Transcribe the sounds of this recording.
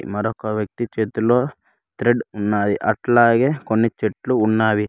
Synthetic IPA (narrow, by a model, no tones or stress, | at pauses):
mɐɾɔkɐʋjɐk̚t̪it͡ʃeːt̪ulo̞ː | t̪ɾeɖunːaːjiʔɐʈlaːɡe̞ːkonːit͡ʃeʈluːnːaːʋi